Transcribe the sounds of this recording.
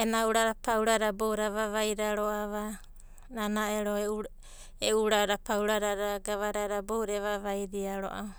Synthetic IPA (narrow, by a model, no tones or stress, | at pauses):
enauɾaɾapawɾaɾaboɾaβaβajɾaɾoaβa | nanaeɾou | euɾaɾapawɾaɾaɾaɡaβaɾaɾabowɾeβaβajɾiaɾo̰ʔa̰